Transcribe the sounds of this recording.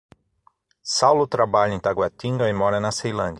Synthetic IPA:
sawlʊt̪ɾabaʎɐẽt̪aɡwat̪ĩŋɡɐɪmɔɾɐnɐsejlɐ̃d͡ʒɐ

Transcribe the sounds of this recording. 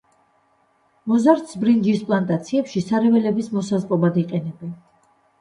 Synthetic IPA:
mɔzaɾt̪sbɾind͡ʒispʼlˠant̪ʼat̪sʰiɛpʃisaɾɛvɛlɛbismɔsazqʼɔbad̪iqʼɛnɛbɛn

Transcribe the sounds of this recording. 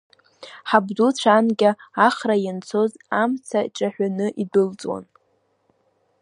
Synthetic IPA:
ħabdut͡sʷʰanɡʲaaχrajant͡sʰo̞zamt͡sʰaʈ͡ʂʼaħʷᶣanɨʔidɨlt͡sʼwa̰n

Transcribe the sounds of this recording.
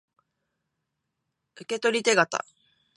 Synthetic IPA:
ɯ̟ke̞t̪o̞ɾʲit̪e̞ɡat̪a̰

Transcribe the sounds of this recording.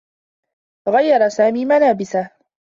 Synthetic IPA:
ɣajːɑɾˤɑsaːmiːmalaːbɪsah

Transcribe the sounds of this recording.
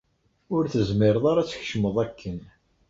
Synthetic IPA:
ʊɾθəzmɪɾəðˤaɾæt͡sːçʃməðˤækːən

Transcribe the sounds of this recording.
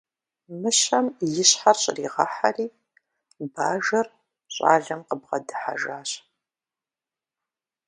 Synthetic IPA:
mɨɕɐmjɪɕħarɕʼɪriːʁɐħariː | baːʒɐr | ɕʼa̰ːɮɐmqəbʁɐdɨħa̰ʒaːɕ

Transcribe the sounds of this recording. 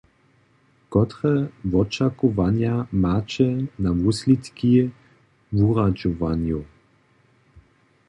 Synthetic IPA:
kɔt̪ʁɛvɔt͡ʃakɔvanjamaːt͡ʃɛnavuslit̪ki | vuʁad͡ʒɔvanju

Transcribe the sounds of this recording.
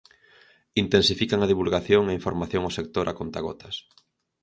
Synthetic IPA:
int̪ẽnsifikaŋaðiβulɣaθjoŋaiɱfoɾmaθjoŋosek̚t̪oɾʔakont̪aɣ̞ɔ̰t̪as

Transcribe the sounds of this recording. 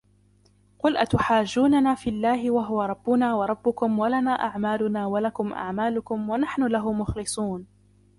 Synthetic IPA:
qʊlʔa̰t̪ʊħaːd͡ʒːuːnanaːfiːlːaːɦɪwaɦʊwaɾˤɑbːʊnaːwɑɾˤɑbːʊkʊmwalanaːʔaʕmaːlʊnaːwalakʊmʔa̰ʕmaːlʊkʊmwanaħnʊlaɦʊmʊxlɨsˤuːn

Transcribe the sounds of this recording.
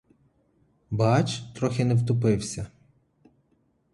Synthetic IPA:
bɑt͡ʃt̪ɾɔxʲɪnɛwt̪ʊp̬ɪwsʲɐ

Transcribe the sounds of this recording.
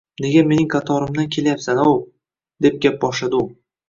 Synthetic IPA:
ne̞ɡʲame̞nɪŋqʰɑt̪ʰɒɾɪmd̪ankʲʰe̞lajapsanaw | d̪e̞p̚ɡʲap̚bɒʃlad̪ʊ

